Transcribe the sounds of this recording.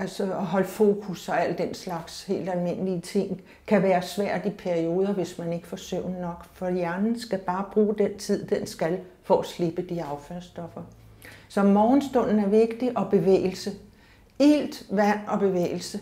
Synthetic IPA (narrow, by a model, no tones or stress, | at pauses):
ælsɒɒ̽ɦɒ̽lfo̝ːkʰusɒ̽æl̰d̥en̰slɑ̈ɡ̥she̝̰ːld̥ælme̝nəliət͡sʰe̝ŋ̰ | kʰæʋæːɐsʋæɐ̰d̥ipʰæɐio̝ːð̞ˠɐʋe̝smæne̝ɡ̥ə̥fɒsøʊ̰nnɒ̽ɡ̥fɒ̽jæɐnn̩sɡ̥æb̥ɑ̈ːb̥ʁuːd̥en̰t͡sʰið̞̰ˠd̥ensɡ̥æl | fɒ̽ʔæsle̝b̥əd̥iɑ̈ʊfæɐsd̥ɒ̽fɐ | sɒ̽mɒːn̩sd̥ɔ̽n̰n̩æɐʋe̝ɡ̥̚d̥iʔɒ̽b̥e̝ʋḛːl̩sə | ḛld̥ʋæn̰ɒ̽b̥e̝ʋḛːɪl̩sə